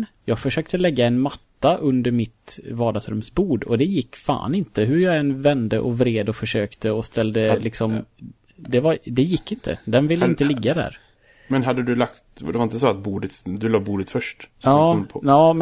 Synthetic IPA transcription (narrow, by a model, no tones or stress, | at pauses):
jɑːɡfœʂøːk̚t̪ʰəlɛɡːaɛnmat̪ːaʔɵnd̪əɾmɪt̪vɑːd̪asɾɵmsbuːɖɔ̰d̪ɛjɪkːfa̰ːnɪnt̪əɦɵɾjɑːɡɛnːvɛnd̪əʔɔvɾeːd̪ɔfœʂøːkt̪ʰəɔst̪ʰɛld̪əlɪksɔm | d̪ɛvaɾd̪ɛjɪkːɪnt̪ʰə̰d̪ɛnvɪlːəɪnt̪əlɪɡːad̪æ̰ːɾ | mɛnɦad̪ːəd̪ɵlakt̪d̪ɛvaɾɪnt̪əsɔat̪̚buːd̪ət̪d̪ɵlɑːbuːd̪ət̪fœʂʈɑːpʰɑːm